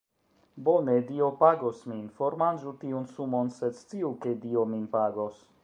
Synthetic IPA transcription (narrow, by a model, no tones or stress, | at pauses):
bonediopaɡosminfoɾmand͡ʒutiunsumonsed̪st͡siukediominpaɡos